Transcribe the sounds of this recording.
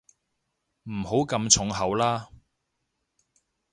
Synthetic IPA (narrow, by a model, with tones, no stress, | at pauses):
m̩˨˩ho˨˥wkɐ˧mt͡sʰʊ˨˥ŋɦɐ˨˧wlaː˥